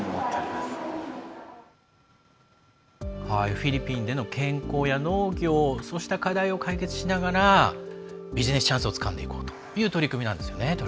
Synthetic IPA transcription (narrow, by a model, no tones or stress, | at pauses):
mot̪ːeoimasɨ̥ | haiɸʲiɾʲipʲĩnd̪e̞no̞kʰẽ̞ŋko̞ːjano̞ːɡʲo̞ːso̞ɕi̥t̪akad̪aio̞kaike̞t͡sɨ̥ɕinaɡaɾa | bʲiʑine̞sɨ̥t͡ɕãɰ̃sɨo̞t͡sɨ̥kã̰nd̪e̞ḭko̞ːt̪o̥jɯ̟ːt̪o̞ɾʲikɯminãnd̪e̞sɨjo̞net̪o